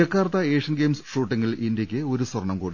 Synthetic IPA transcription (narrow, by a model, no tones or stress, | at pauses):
ɐkːaːrt̪ɐeːʂɐnɡe̞ːmsʂuːʈːiŋːɡɐɭʔindjɐkʲːɨo̞ɾuswɐrɳɐmkuːɽi